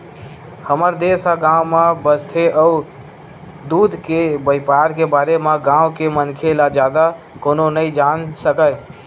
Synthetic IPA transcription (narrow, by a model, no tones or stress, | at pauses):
həməɾd̪esaɡãʊmabəst̪ʰeʔəu | d̪ud̪ʱkebəjpaɾkebaɾemaɡãwkemənkʰelad͡ʒjad̪a | kononəid͡ʒansəkə